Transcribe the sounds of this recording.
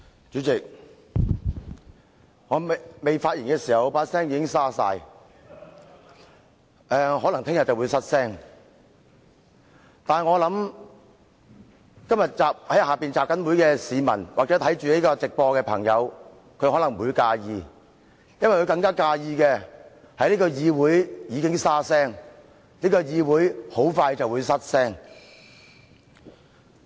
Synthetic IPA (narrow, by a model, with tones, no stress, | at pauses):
t͡ʃyː˨˥t͡sɪ˨k̚ | ŋɔː˨˧˨me˨jfaː˧t̚jiː˨˩nŋkɛː˧siː˨˩hɐ˨wpaː˧˥t̚sɛː˥ŋjiː˨˧kɪ˥ŋsaː˥sa̰ː˧j | ʔɛː˧ɦɔː˨˥lɐ˨˩ŋt̪ʰɪ˥ŋjɐ˨t̚t͡sɐ˨wu˨˧jsɐ˥t̚sɛː˥ŋ | t̪aː˨nŋɔː˨˧lɐ˨˥m | kɐ˥mjɐ˨t̚t͡saː˨p̚hɐ˨˥jhaː˨piː˨˩nt͡saː˨p̚kɐ˨˥nmuː˨˥jkɛː˧siː˨˧mɐ̰˨˩nwaː˨k̚t͡sɛ˨˥t̪ʰɐ˨˥jt͡ʃyː˨liː˦˥kɔː˧t͡sɪ˨k̚pɔː˧kɛː˧pʰɐ˨˩ŋjɐ˨˧w | kʰɵ˧ɥhɔː˨˥lɐ˨˩ŋmuː˨˧jkaː˧jiː˨˧ | jɐ˥nwɐ˨jkɵ˧kɐ˧ŋkaː˥kaː˧jiː˧kɛː˧ | hɐ˨jliː˥kɔː˧jiː˧wuː˨˥jjiː˨˧kɪ˥ŋsaː˥sɛː˥ŋ | liː˥kɔː˧jiː˧wuː˨˥jho˨˥wfaː˧jt͡sɐ˨wuː˨˧jsɐ˥t̚sɛː˥ŋ